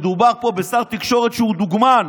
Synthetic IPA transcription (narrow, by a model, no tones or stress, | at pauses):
d̪ubaʁpo̞besaʁt̪ikʃo̞ʁet̪ʃeud̪uɡman